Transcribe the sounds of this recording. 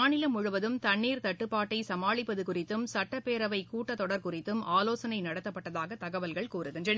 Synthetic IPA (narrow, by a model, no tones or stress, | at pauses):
aːnɪlɐmʊɻʊʋɐðɯmt̪ɐɳːiːɾt̪ɐʈːɯpːaːʈːɐɪsɐmaːɭɪpːɐðɯkʊrɪt̪ːɯmsɐʈːɐpːeːɾɐʋɐɪkuːʈːɐt̪ːɔɽɐɾkʊrɪt̪ːɯmaːloːsɐnɐɪnɐɽɐt̪ːɐpːɐʈːɐðaːɣɐt̪ɐɣɐʋɐlɣɐɭkuːrɯɣɪndrɐn